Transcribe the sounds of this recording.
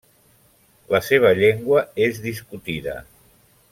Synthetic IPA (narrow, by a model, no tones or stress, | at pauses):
ləseβ̞əʎeŋɡwəezðiskut̪iðə̰